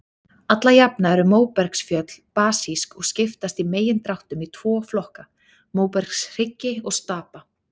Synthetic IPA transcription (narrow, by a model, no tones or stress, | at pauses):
at̪lajapnaɛɾʏmoːwpɛɾksfjœt̪l̥paːsiskɔɣscɪft̪ast̪imeːjɪnt̪ɾawht̪ʏmit̪ʰv̥ɔːflɔhka | moːwpɛɾ̥ksr̥ɪcːɪɔɣst̪aːpa